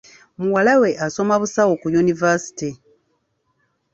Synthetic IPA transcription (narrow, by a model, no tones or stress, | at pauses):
muwalawe̞ʔaso̞maβusawo̞kujunivasi̥ti